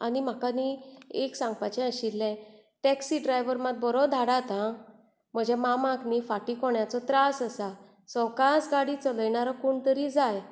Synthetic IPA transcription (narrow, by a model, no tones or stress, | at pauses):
a̰nim̤akanieksãŋɡpat͡ɕɛ̃əɕilːɛ̃ | ʈɛksiɖɾajʋəɾmat̪̚bɔɾɔd̪ʱaɽat̪ã | m̤əd͡ʑʱɛmamãknifaʈikɔɳjat͡sɔt̪ɾasəsa | sɔwkasɡaɽit͡sɔləjɳaɾakuɳt̪əɾid͡zaj